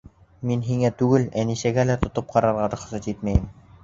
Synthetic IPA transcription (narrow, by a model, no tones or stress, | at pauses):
minɦiŋæt̪ʉɡɘlænisæɡælæt̪ŏt̪op̚qɑɾɑɾʁɑɾɤ̆χ̆sɤt̪it̪̚mæjɘm